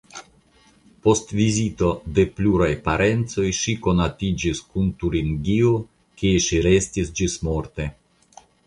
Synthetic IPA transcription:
po̞stvizito̞de̞pluɾajpaɾʔe̞nt͡so̞jʃiko̞natid͡ʒiskuntuɾiŋɡio | kieʃiɾe̞stisd͡ʒismo̞ɾte̞

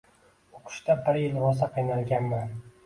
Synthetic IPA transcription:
oqʰɨ̥ʃt̪abɪɾjɪlɾɒsaqʰɨjnalˠɡʲanman

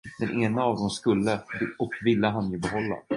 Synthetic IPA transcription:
d̪̥ɛnʔeːnaːvd̪ɔmskɵlːəbɔkːvɪlːəɦanjɛbɛɦɔlːa̰

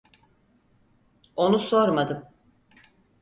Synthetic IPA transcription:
o̞nuso̞ɾmad̪ɯm

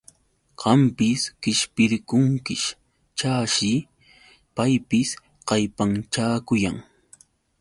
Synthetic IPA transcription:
ɢɑmpɪskɪʃpɪɾkʊŋkɪʃ | t͡ʃaːʃɪ | pajpɪs | qɑjpaŋʈ͡ʂaːkʊjaŋ

